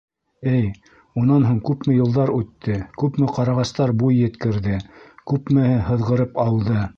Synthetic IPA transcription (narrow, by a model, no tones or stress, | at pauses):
ɘj | unɑnɦuɴkʉpmɘjɤ̆lˠd̪ɑɾʉt̪ːɘkʉpmɘqɑɾɑʁɑst̪ɑɾbujːɘ̆t̪kɘ̆ɾðɘkʉpmɘ̆hɘɦɤ̆ðʁɤ̆ɾɤpɑlˠd̪ɤ